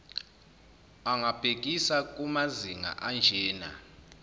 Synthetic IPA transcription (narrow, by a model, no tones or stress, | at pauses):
aŋʱab̥ʱek̬ʼisak̬ʼumaziŋa̰ʔand͡ʒʱɛːna̰